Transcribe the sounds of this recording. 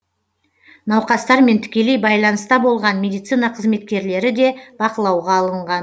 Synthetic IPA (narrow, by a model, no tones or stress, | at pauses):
nɑwqɑst̪ɑɾme̞nt̪ʰʏ̥kʲe̞le̞jbɑjlˠɑnəst̪ɑbo̞lˠʁɑnmʲe̞d̪ijt̪sinɑqʰəzme̞t̪̚kʲe̞ɾle̞ɾɪd̪e̞b̥ɑqəlˠɑwʁɑːlˠəɴʁɑn